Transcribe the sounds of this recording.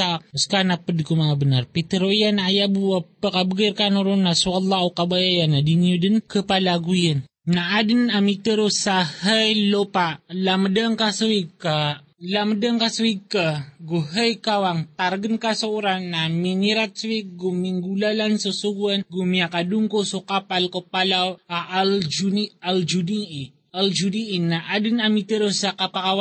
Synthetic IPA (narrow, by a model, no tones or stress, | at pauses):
aəskanapədkumaabənarpit̪əɾoijanaːjabuapːəkabəɡərkanoɾunːaswalːaukabajajanadiniudənkəpalaɡujən | naːdənamit̪əɾosahəjlopalamədəŋkasəwika | lamədəŋkasəwikaɡuɦəjkawaŋt̪arɡənkasəuɾanːaminiɾat̪̚swik̚ɡumiŋɡulalansəsuɡuənɡumiakaduŋkosokapalkəpalaaʔald͡ʒuniald͡ʒudii | ald͡ʒudiinaʔadənamit̪əɾosakapakawa